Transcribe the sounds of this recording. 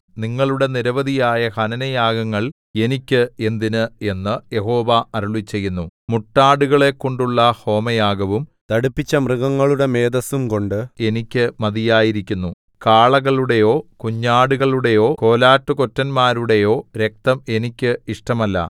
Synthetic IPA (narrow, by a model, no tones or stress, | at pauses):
niŋːɐɭuɽe̞niɾɐʋɐd̪ʱijaːjɐhɐnɐnɐjaːɡɐŋːɐɭ | e̞nikʲːɨe̞nd̪inɨe̞nːɨje̞ɦo̞ːʋɐɐɾuɭit͡ɕːe̞jːunːumuʈːaːɽuɣɐɭe̞kːo̞ɳɖuɭːɐho̞ːmɐjaːɡɐʋumt̪ɐɽupːit͡ɕːɐmrɨɣɐŋːɐɭuɽe̞me̞ːd̪ɐsumko̞ɳɖɨe̞nikʲːɨmɐd̪ijaːjiɾikʲːunːu | kaːɭɐɣɐɭuɽe̞jo̞ːkuɲːaːɽuɣɐɭuɽe̞jo̞ːko̞ːlaːtːuko̞tːɐnmaːɾuɽe̞jo̞ːɾek̚t̪ɐme̞nikʲːɨiʂʈɐmɐlːɐ̰